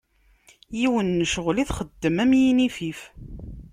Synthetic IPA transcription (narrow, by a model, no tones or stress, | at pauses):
jiwənːəʃəʁliθχəd̪ːəmæmjinifif